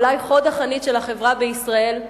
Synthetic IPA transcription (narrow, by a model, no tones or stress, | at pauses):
lajχo̞d̪aχanitʃelhaχe̞vʁabeisʁae̞l